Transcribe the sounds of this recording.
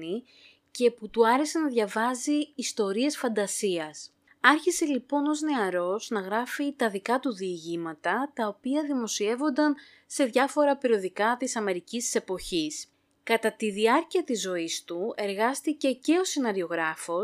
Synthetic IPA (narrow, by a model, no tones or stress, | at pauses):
i | ce̞put̪uɐɾe̞se̞nɐðʝɐvɐziːst̪o̞ɾie̞sfɐnd̪ɐsiɐs | ɐɾçise̞lipo̞no̞zne̞ɐɾo̞znɐɣɾɐfit̪ɐðikɐt̪uðiːʝimɐt̪ɐt̪ɐo̞piɐðimo̞sie̞vo̞nd̪ɐn | se̞ðʝɐfo̞ɾɐpiɾio̞ðikɐt̪isɐme̞ɾicist̪i̥se̞po̞çis | kɐt̪ɐt̪iðiɐɾciɐt̪izːo̞ist̪ue̞ɾɣɐst̪ice̞ce̞o̞sinɐɾio̞ɣɾɐfo̞